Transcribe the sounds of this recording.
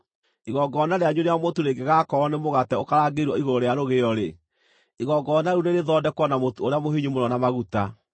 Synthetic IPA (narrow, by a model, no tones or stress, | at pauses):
iɣɔɡɔnaɾeaɲuneamotuɾeɡeɣakɔɔnemoɣatɛokaɾaːɡeɾwɔiɣoɾoɾejaɾoɣeɔɾe | iɣɔɡɔnaɾuneɾeðɔdɛkwɔnamotooɾeamoɦiɲumonɔnamaɣuta